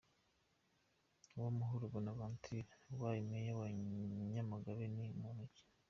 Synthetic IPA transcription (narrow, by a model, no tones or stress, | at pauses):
wamuɦuɾuβanaβaːntʰiɾewajimejawaɲamaɡaβenimuneci̥